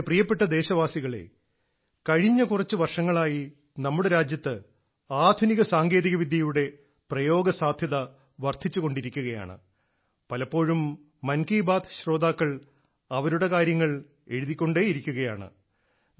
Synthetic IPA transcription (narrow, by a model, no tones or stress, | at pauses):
prijɐpːe̞ʈːɐd̪e̞ːɕɐʋaːsiɣɐɭe̞̰ | kɐɻiɲːɐkurɐt͡ɕːɨʋɐrʂɐŋːɐɭaːji | nɐmːuɽe̞ɾaːd͡ʑjɐt̪ːɨ | aːd̪ʱuniɣɐsaːŋɡe̞ːðiɣɐʋid̪ʱjɐjuɽe̞ | prɐjo̞ːɡɐsaːd̪ʱjɐðɐ | ʋɐrt̪ʰit͡ɕːuɣo̞ɳɖiɾikʲːuɣɐja̰ːɳɨ̰ | pɐlɐpːo̞ːɻumː | ɐnkiːbaːd̪ɕro̞ːd̪aːkːɐɭ | ɐʋɐɾuɽe̞kaːɾjɐŋːɐɭ | e̞̰ɻuðikʲːo̞ɳɖe̞ːjiɾikʲːuɣɐjaːɳɨ̰